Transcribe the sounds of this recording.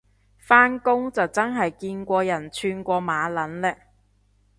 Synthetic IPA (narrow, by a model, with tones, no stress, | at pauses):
faː˥nkʊ˥ŋt͡sɐ˨wt͡sɐ˥nɦɐ˨jkiː˧nkʷɔː˧jɐ˨˩nt͡ʃʰyː˧nkʷɔː˧maː˨˧lɐ˨˥nlɛː˥